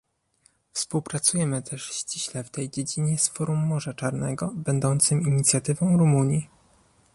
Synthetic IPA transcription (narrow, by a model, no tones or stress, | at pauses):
fspuwpɾat̪sujɛmɘt̪ʰɛʂɕt͡ɕiɕlɛft̪ɛjd͡ʑed͡ʑiɲɛsfɔɾumːɔʐat͡ʂaɾnɛ̰ɡɔbɛnd̪ɔnt̪sɘmiɲit̪sʲjat̪ɘvɔ̃w̃ɾumuɲji